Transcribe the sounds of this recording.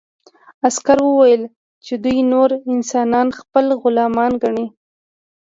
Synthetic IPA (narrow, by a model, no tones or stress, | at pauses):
askaɾwəwajəl | t͡ʃed̪ujnoɾɪnsɑnɑnxpəlɣʊlɑmɑnɡaɳi